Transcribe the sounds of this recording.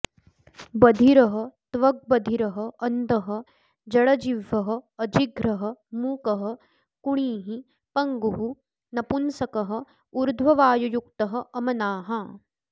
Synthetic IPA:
bɐd̪ʱiɾɐɦɐ̆t̪ʋɐɡ̚bɐd̪ʱiɾɐɦɐɐnd̪ʱɐɦɐ̆ | d͡ʒɐɽɐd͡ʒiʋːɐɦɐ̆ːd͡ʒiɡɾɐɦɐ̆muːkɐɦɐ̆ | kuɳiːɦi | pɐŋɡuɦu | nɐpunsɐkɐɦɐ̆ | uɾd̪ʱʋɐʋaːjujuk̚t̪ɐɦɐ̆ʔɐmɐnaːɦɐ

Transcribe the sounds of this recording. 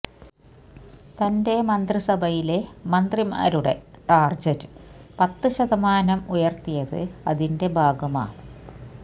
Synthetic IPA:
t̪ɐnde̞mɐnd̪risɐbʱɐjile̞mɐnd̪rima̰ːɾuɽe̞̰ʈaːrd͡ʑɐɾɨpɐt̪ːɨɕɐðɐmaːnɐmujɐrt̪ijɐðɨ̰ɐðinde̞bʱaːɡɐma̰ː

